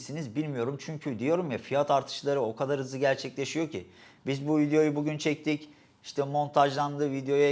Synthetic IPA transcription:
sinizbilʲmijo̞ɾumt͡ʃʰyɲcʰyd̪ijo̞ɾumjafijat̪aɾt̪ʰɯ̥ʃlˠaɾɯo̞kʰad̪aɾhɯzɯɟæɾt͡ʃʰɛclʲe̞ʃijo̞cʰḭ | bizbuvid̪ejo̞jubuɟynt͡ʃʰɛc̚t̪ʰic | iʃt̪ʰɛmo̞nt̪ʰaʒlˠand̪ɯvid̪ejo̞ja

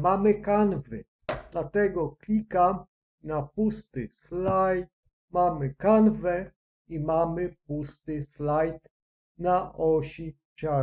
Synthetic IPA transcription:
mamɘkanvɘ̰ | d̪lat̪ɛɡɔklʲika | napust̪ɪslajt̪̚ | mamɘkanvɛ | imamɘpust̪ɪslajt̪ | naʔɔɕi | t͡ɕa

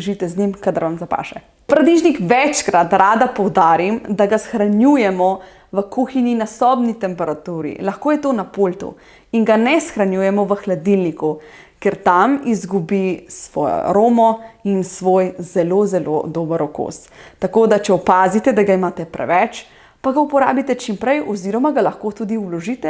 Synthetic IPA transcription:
ʒit̪ɛznimkad̪aɾʋamzapa̰ːʃɛ̰ | pɾad̪iʒnikʋɛt͡ʃkɾat̪ɾaːd̪apɔwd̪aːɾimd̪aɡasxɾanjujɛmɔ | ʋəkuxinjinasɔbnit̪ɛmpɛɾat̪uːɾḭlaxkoːjɛt̪oːnapolt̪ṵ | iŋɡanɛsxɾanjuːjɛmɔʋəxlad̪ilnikukeɾt̪amizɡubisʋɔ̰jɔ̰ɾoːmɔinsʋoːjzɛlozɛlo̰d̪oːbəɾɔko̰st̪akoːd̪at͡ʃɛɔpaːzit̪ɛd̪aɡaimaːt̪ɛpɾɛ̰ʋɛt͡ʃ | paɡaupɔɾa̰ːbit̪ɛt͡ʃimpɾɛjʔɔziɾɔmaɡalaxkoːt̪uːd̪iulɔʒit̪ɛ

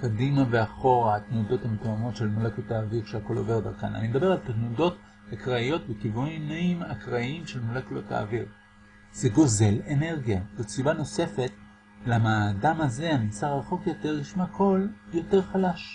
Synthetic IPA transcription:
kadimaveaχo̞ʁaatnudo̞thametoamo̞tʃe̞lmulakotaːviʁʃeako̞lo̞̰ve̞ʁdaʁka̰na̰nimed̪abe̞ʁalt̪aχnudo̞t | hakʁaijo̞t̚bekivunimnaimakʁaimʃelmulaklota̰ːviʁ | z̥eɡo̞ze̞lene̞ʁɡijabet͡sibano̞se̞fet | lamaadamaze̞anisaʁaχo̞kjo̞teʁliʃmakʰo̞ljo̞teʁχalaʃ

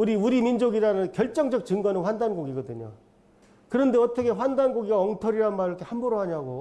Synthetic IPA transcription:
uɾiuɾimind͡ʑoɡiɾanɯnkjʌɭt͡ɕ͈ʌŋd͡ʑʌk̚t͡ɕɯŋɡʌnɯnɸwandanɡoɡiɡʌdɯɲo̰ | kɯɾʌnde̞ʌt͈ʌkʰe̞ɸwandanɡoɡiɡaʌŋtʰʌɾiɾanmaɾɯɾkʰehambʌɾoɦaɲiaɡo

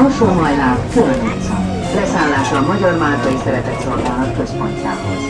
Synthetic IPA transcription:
oʃoːmɒjnaːmkylønɛsɒ̰n | lɛsaːnlːaːʃɒːmɒɟɒrmaːlt̪ɒjisɛɾɛt̪ɛt̪so̞lɡaːlnɒkːø̞spo̞ɲca̰ːɦoz

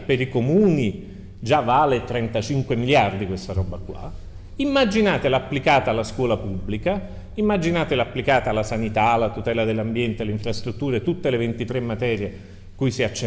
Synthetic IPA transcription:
peɾikomuːni | d͡ʒavːaːlet̪ɾɛnt̪at͡ʃiŋkwemiljard̪ikwest̪aɾɔbːakwa̰ | imːad͡ʒinaːt̪elapːlikaːt̪alːaskwɔːlapubːlika | imːad͡ʒinaːt̪elapːlikaːt̪alːasanit̪alat̪ut̪ɛːlad̪elːambjɛnt̪eleiɱfɾast̪ɾut̪ːuːɾat̪ːut̪ːelevent̪it̪ɾemːat̪ɛːɾje | kujsiat͡ʃː

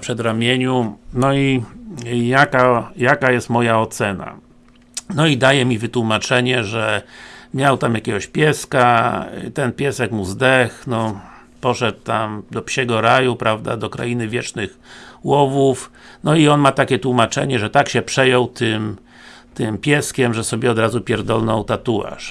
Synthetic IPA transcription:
pʂɛd̪ɾamʲjeɲunɔi | jakajakajɛst̪mɔjaɔt̪sɛna̰ | nɔid̪ajɛmʲivɘt̪wumat͡ʂɛɲɛʐɛmʲjawt̪amjakʲɛɡɔɕpʲjɛskat̪ɛnpʲjɛsɛkmuzd̪ɛxnɔ | pɔʂɛt̪ːamd̪ɔpɕɛɡɔɾajupɾavd̪a̰d̪ɔkɾa̰inɘvʲjɛt͡ʂnɘxwɔvufnɔiɔnmat̪akʲɛt̪wumat͡ʂɛ̰ɲɛʐɛt̪akɕɛpʂɛjɔwt̪ʰɘm | t̪ɪmpʲjɛskʲɛmʐɛsɔbʲjɛɔd̪ɾazupʲjɛɾd̪ɔlnɔwt̪at̪ua̰ʂ

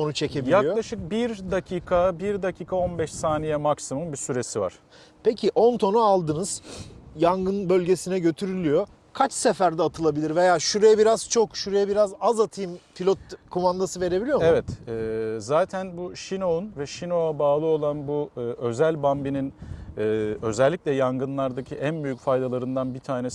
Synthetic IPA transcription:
so̞nut͡ʃʰe̞cʰe̞bbijakjloaʃɯk̚biɾd̪acʰiːkʰabiɾd̪acʰiːkʰao̞nbɛʃsaːnijɛmaksimunbisyɾe̞siva̰ɾ̥ | pʰecʰiʔo̞nt̪ʰo̞nualˠd̪ɯnɯz̥jaŋɡɯnbø̞lʲɟe̞sinɛɟøt̪ʰyɾylʲyjo̞ | kʰat͡ʃsefæɾd̪ɛaːt̪ʰɯlˠabilʲiɾve̞jaːʃuɾejɛbiɾaz̥t͡ʃʰo̞kʃuɾejɛbiɾazazat̪ʰɯjɯmfilʲot̪̚kʰomand̪asɯve̞ɾebilʲijomevɛt̪ɛːzaːt̪ʰænbuʃino̞unvɛʃino̞abaːlˠɯo̞lˠanbuɯø̞zælʲbambininɛːø̞zɛlʲːiclʲɛjaŋɡɯnlˠaɾd̪acʰiʔænbyjycfajd̪alˠaɾɯnd̪anbit̪ʰaːne

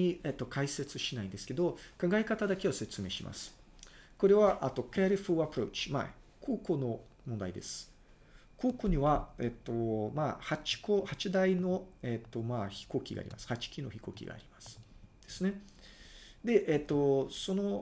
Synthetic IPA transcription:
iet̪ːo̞kaise̞t͡sɨɕinaĩnd̪e̞sɨ̥ke̞d̪o̞kãŋɡaekat̪ad̪ake̞ose̞t͡sɨme̞ːɕima̰sɨ̥ | ko̞ɾe̞βaʔat̪ːo̞keɾiɸuapɯ̟ɾo̞̰ːt͡ɕi̥ma̰ | kʰo̞ːko̞no̞ | mõnd̪aid̪e̞sɨ̥ | ko̞ːko̞ɲ̟iβaet̪ːo̞mahat͡ɕi̥ko̞hat͡ɕid̪aino̞et̪ːo̞maːçi̥ko̞ːkʲiɡa̰ɾʲimasɨ̥hat͡ɕi̥kʲino̞̰çi̥ko̞ːkʲḭɡa̰ːɾʲimasɨ̥d̪̥e̞sɨne̞ | d̪e̞ʔet̪ːo̞so̞no̞

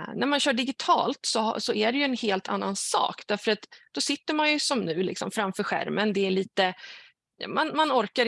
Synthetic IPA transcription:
næɾmanɕœːɖɪɡɪt̪ʰɑ̰ːlt̪sɔ̰sɔʔæɖɛjɵɛnheːlt̪ʰa̰nːansɑ̰ːkd̪̥æɾfœɾat̪d̪̥ɔsɪt̪ːəɾmanjɵsɔmnʉ̟ːlɪ̰ksɔ̰mfɾamfœːɾɧæ̰ɾmənd̪ɛæɭiːt̪ə̰ | manmanɔɾka

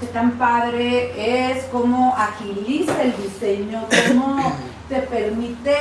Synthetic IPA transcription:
et̪ampaðɾeeskomoʔaxilisaeld̪iseɲokomo | t̪epeɾmit̪e

